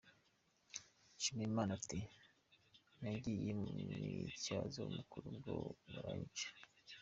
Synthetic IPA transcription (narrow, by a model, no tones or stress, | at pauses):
ʃimiimaːnati | naɟijemuicazo̰umukuɾubɡo̰βaɾaːɲt͡ʃḁ